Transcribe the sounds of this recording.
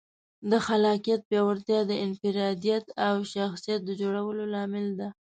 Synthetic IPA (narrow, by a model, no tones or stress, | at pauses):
d̪əxalɑkijat̪̚bjɑwaɾt̪jɑd̪əʔɪnfɪɾɑd̪ijat̪awʃaxsijat̪̚d̪əd͡ʒoɽawəlolɑmɪld̪a